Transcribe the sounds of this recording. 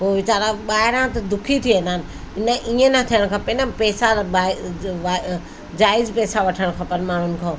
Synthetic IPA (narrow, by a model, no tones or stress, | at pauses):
poːʋɪt͡ɕaːɾãɓaːɦɪɾãt̪ɐd̪ʊkʰit̪ʰiẽːnd̪aːnɪ̆ | ɪnəʔiːẽnɐt̪ʰijəɽ̃kʰãːpenãpɛːsaaːʋaː | d͡ʑaːɪzpɛːsaʋɐʈʰəɽ̃kʰɐpənmaːɳ̤ʊnɪ̆kʰãː